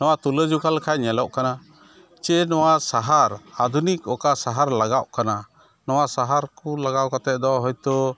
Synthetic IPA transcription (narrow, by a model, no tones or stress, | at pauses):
nɔwat̪uləd͡ʒukalkʰajɲɛlɔʔkana | t͡ʃɛnɔwasaɦaɾad̪unik̚ɔkasaɦaɾlaɡaʔkana | nɔwasaɦaɾkulaɡaʔkat̪ɛʔ̚ˀd̪ɔɦɔjt̪ɔ